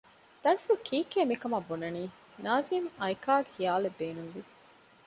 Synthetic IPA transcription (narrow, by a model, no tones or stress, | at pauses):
d̪̥ɐnfuɽukʰiːkeːmikɐmabonɐniː | naːziːmɐjkaːɡehijaːlebːeːnuŋʋi